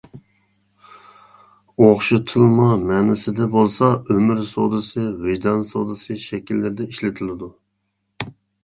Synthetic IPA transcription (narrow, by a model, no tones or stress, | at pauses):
oχʃut̪ʰɨlˠmumɛnɪsɪd̪ɛbolˠsɑømɪɾsod̪ɨsɨvɪʒd̪ɑnsod̪ɨsɨʃɛkʲilːɪɾɪd̪ɛiʃlɪt̪ʰɪlɪd̪u